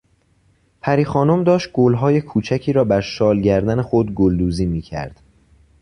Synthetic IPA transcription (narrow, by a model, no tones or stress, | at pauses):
pʰæɾiːxɒːno̞md̪ɒːʃt̪̚ɡ̥olɦɒːje̞kʰuːt͡ʃʰæcʰiːɾɒːbæɾʃɒːlɟæɾd̪æne̞xod̪ɡold̪uːziːmiːcʰæ̰ɾd̪̥